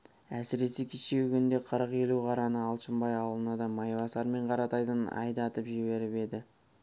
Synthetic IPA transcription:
æsɪɾe̞se̞kʲʰet͡ʃewkʲʏnd̪e̞qʰəɾəqe̞luqʰɑɾɑnəɑlˠʃəmbɑjɑwlˠənɑd̪ɑmɑjvɑsɑɾme̞ɴqʰɑɾɑt̪ɑjd̪ənɑ̰jd̪ɑɑt̪əpʒiβe̞ɾɪpe̞d̪ɪ

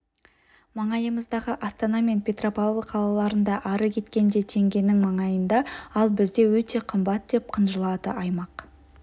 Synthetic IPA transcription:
mɑɴɑjəməzd̪ɑʁəʔɑst̪ɑnɑme̞npʲʰe̞t̪ropalˠt̪qʰɑlˠɑlˠɑɾənd̪ɑʔɑɾəkʲʰe̞t̪kʲe̞nd̪e̞t̪ʰe̞ŋɡʲe̞nɪŋmɑɴɑjənd̪ɑɑlˠbɪzd̪e̞wɵt̪e̞qʰəmbɑt̪d̪̥e̞p̚qʰənʒəlˠɑd̪ə̰ʔɑjmɑq

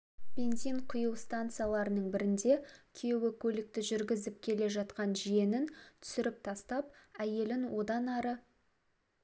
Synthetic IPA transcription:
b̥ʲe̞nzijɴqʰʊjəwst̪ant̪sɨjalˠɑɾənəɴbɪɾɪnd̪e̞kʲʰewɪkʲʰɵlɪk̚t̪ɪʒʏɾɡʲɪzɪp̚kʲʰe̞le̞ʒɑt̪qɑnʒijenɪnt̪ʰʏ̥sɪɾɪp̚t̪ʰɑst̪ɑp̚æje̞lɪnwo̞d̪ɑnɑɾə

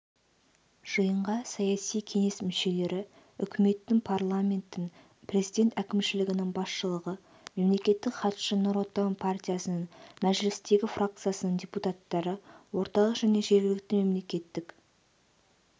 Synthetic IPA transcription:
ʒ̥əjəɴʁɑsɑjɑsijkʲʰe̞ŋe̞smʏʃe̞le̞ɾɪ | ʏ̰kʲɪme̞t̪ːɪŋpʰarlˠamʲe̞nt̪ːɪŋ | pʰrʲe̞zijd̪ʲe̞nt̪ækʲɪmʃɪlɪɡʲɪnɪŋbɑsʃəlˠəʁə | me̞mle̞kʲe̞t̪ːɪkχɑt̪ʃənʊɾwot̪ːɑəmpʰartʲijasənəɴmæʒlɪst̪e̞ɡʲɪfrak̚t̪sɨjasənəɴdʲeput̪at̪ːɑɾəwo̞ɾt̪ɑlˠəqʒ̥æne̞ʒe̞ɾɡʲɪlɪk̚t̪ɪme̞mle̞kʲe̞t̪ːɪk

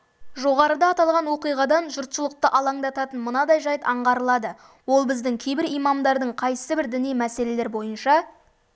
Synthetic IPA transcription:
ʒo̞ʁɑɾəd̪ɑːt̪ɑlˠʁɑnwo̞qijʁɑd̪ɑnʒʊɾt̪səlˠəq̚t̪əʔɑlˠɑŋd̪ɑt̪ɑt̪ənmənɑd̪ɑjʒɑjt̪ɑɴʁɑɾəlˠɑd̪ə | wo̞lˠbɪzd̪ɪŋkʲʰe̞jbɪɾijmɑmd̪ɑɾd̪əɴqʰɑjsəbɪɾd̪ɪnijmæse̞le̞le̞ɾbo̞jənʃɑ

